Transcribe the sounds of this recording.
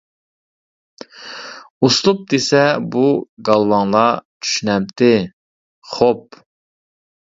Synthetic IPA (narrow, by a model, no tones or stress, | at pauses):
uslˠup̚d̪esɛbuɡɑlˠwɑŋlˠɑt͡ʃʰy̥ʃynɛm̚t̪ʰɪ | χop̚